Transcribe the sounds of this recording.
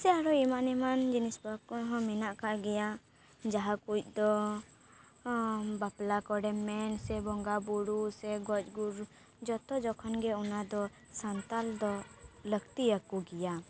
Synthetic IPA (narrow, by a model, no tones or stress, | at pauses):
sɛaɾɔimaʔnɛmand͡ʒinisbakɔɦɔ̃minaʔkaʔɡɛja | d͡ʒaɦakuc̚ˀd̪ɔ | baplakɔɽɛmːɛnsɛbɔŋɡabuɽusɛɡɔt͡ʃɡuɾ | d͡ʒɔt̪ɔd͡ʒɔkʰɔnɡɛɔnad̪ɔ | sant̪ald̪ɔləɡt̪iəkuɡɛja